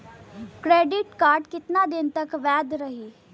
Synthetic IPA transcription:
kɾeːɖɪʈkaːɾɖkɪt̪nad̪ɪnt̪əkʋɛːd̪ɾəɦiː

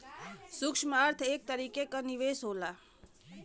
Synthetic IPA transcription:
sʊkʃməɾt̪ʰek̚t̪əɾikekəniʋesɦola

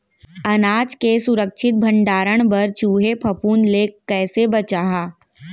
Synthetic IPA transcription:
ɐnaːd͡ʒkesʊɾəkʃʰɪt̪̚bʱə̃ɳɖaːɾəɽ̃bɐɾt͡ʃuːɦepʰɐpuːnleːkkːɛːsebɐt͡ʃaːɦaː

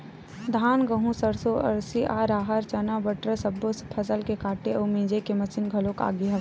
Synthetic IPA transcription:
d̪ʱaːnɡəɦũsɐɾsoʔɐ̰ɾsiʔaːɾaːɦəɾt͡ʃɐnabəʈɾəsɐbːospʰɐsəlkekaːʈeomĩːd͡ʒekemɐt͡ʃɪnɡʱɐloka̰ːɡiɦɐ

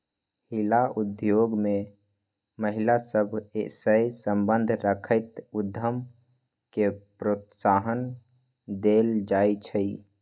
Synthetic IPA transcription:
hilaud̪joɡme | məɦilasəbʱesəjsəmbənd̪ʱɾəkʰəɪt̪ud̪ʱːəm | kepɾot̪saɦən | d̪eld͡ʒajt͡ʃʰəi

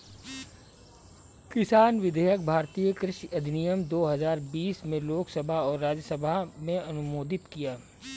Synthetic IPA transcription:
kɪsaːnʋɪd̪ʱəjək̚bʱaːɾt̪ijəkɾɪʃɐd̪ʱnijəmd̪oːɦɐzaːɾbiːsmẽloːksəbʱaɔːɾːaːd͡ʒəsəbʱamẽɐnʊmoːd̪ɪt̪kijaː

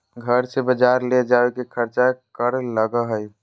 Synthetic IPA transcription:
ɡʱəɾsebəd͡ʒaɾled͡ʒabekekʰəɾt͡ʃakəɾləɡəɦəj

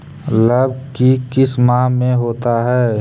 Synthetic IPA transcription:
ləb̚ʱkikɪsmãːɦmẽɦoːt̪aɦɛː

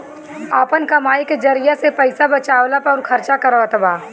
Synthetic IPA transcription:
aːpənkɐmaːiked͡ʒɐɾijasepɛɪsabɐt͡ʃaːwlapɔːɾkʰɐɾt͡ʃakɐɾʋat̪baː

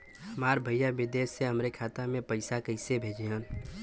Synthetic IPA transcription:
həmaːɾbʱəjabɪd̪eːʃːeɦəmɾekʰaːt̪amẽpəɪsakəɪsebʱeːd͡ʒeɦə̃n

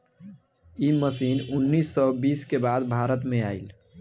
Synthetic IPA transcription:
iməsinunːisːɔbiːskebad̪bʱaɾət̪meail

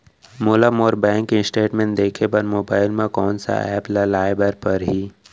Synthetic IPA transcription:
moːlamoːɾbɛ̃ːŋkɪ̃sʈeːʈmẽːnd̪eːkʰebɐɾmoːbaːɪlmẽkɔːnsa̰ɛːplalaːɪbəɾpɐɾɦiː

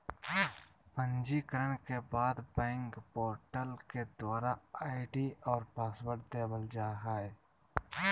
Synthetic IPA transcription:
pə̃nd͡ʒikəɾənkebaːd̪bɛ̃ːŋkpoːɾʈəlked̪waːɾaaːɪʈiɔːɾpaːsbəɾʈ̚d̪eːbəld͡ʒaːɦaɛ

